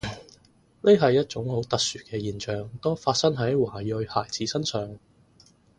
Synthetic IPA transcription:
ne˥ɦɐ˨jːɐ˥t̚t͡sʊ˨˥ŋho˨˥wt̪ɐ˨k̚syː˨kɛː˧jiː˨nt͡ʃœː˨ŋt̪oː˥faː˧t̚sɐ˥ŋɦɐ˨˥jwaː˨˩jɵ˧ɥhaː˨˩jt͡siː˨˥sɐ˥nsœː˨ŋ

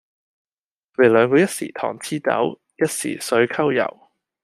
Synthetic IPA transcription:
we˨˩lœː˨˧ŋkɔː˧jɐ˥t̚siː˨˩t̪ʰɔ̰ː˨˩ŋt͡sʰiː˥t͡sɐ̰˨˥w | jɐ˥t̚sḭː˨˩sɵ˨˥ɥkʰɐ˥wjɐ̰˨˩w

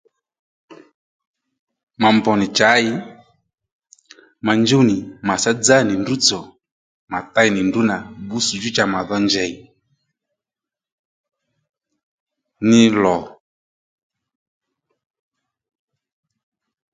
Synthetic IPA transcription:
ma˨mbɔ˨nɪ˨t͡ʃa˨˦ɪ˦ | ma˨ɲd͡ʒo˦nɪ˨ma˨sa˦d͡za˦˨ni˨ndu˦t͡sɔ˨ | ma˨ta˦i˨nɪ˨ndu˦na˨bu˦su˨d͡ʒu˦t͡ʃa˨ma˨ðɔ˦ɲd͡ʒɛ˦i˨ | nɪ˦lɔ˨

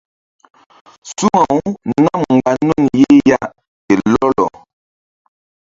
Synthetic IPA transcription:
su˦ŋa˨wna˦˨mŋ̩˨ɡa˨nu˦nje˦ja˦ʔ | tɛ˨lɔ˦lɔ̰˨

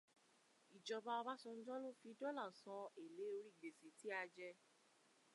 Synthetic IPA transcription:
i˨d͡ʒɔ˨˧ba˧ba˦sɔ˧n̩˦d͡ʒɔ̃˦lo˦fi˧dɔ˦la˦˨sɔ̃˧e˨le˨˦o˧ɾi˦˨ɡ͡be˨se˨ti˨˦a˧d͡ʒɛ˧

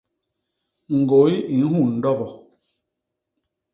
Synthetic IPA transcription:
ŋ̩˨ɡo˨˦i˦i˨˦hu˦˨n̩˨dɔ˦bɔ˨

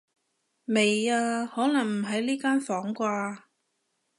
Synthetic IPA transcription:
me˨jaː˧hɔː˨˥nɐ˨˩ŋm̩˨˩ɦɐ˨˥jliː˥kaː˥nfɔː˨˥ŋkʷaː˧

